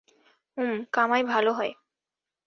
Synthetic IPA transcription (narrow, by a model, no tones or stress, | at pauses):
umkamaebʱaloɦɔe